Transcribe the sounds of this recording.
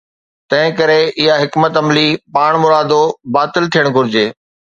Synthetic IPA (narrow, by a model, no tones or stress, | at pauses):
t̪ɐ̃ɦɪ̃kɐɾeɪɦaɦɪkmət̪ɐmlipaːɽ̃mʊɾaːd̪obaːt̪ɪlt̪ʰijəɽ̃ɡʱʊɾɪd͡ʑeː